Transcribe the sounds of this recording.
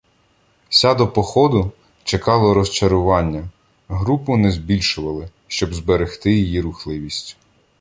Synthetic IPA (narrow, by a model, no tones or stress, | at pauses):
sʲad̪ɔpɔxɔd̪ʊ | t͡ʃekɑlˠɔɾɔst͡ʃɐɾʊʋɑnʲːɐ | ɦɾupʊnɛzbʲilʲʃʊʋɐlˠɪ | ʃt͡ʃɔbzbeɾext̪ɪjijiɾʊxlˠɪʋʲisʲtʲ